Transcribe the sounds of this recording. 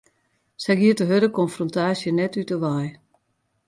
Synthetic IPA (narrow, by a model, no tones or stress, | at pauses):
sɛjɡiətəɦøɾəkɔnfrɔntaːsjənɛtytəʋaj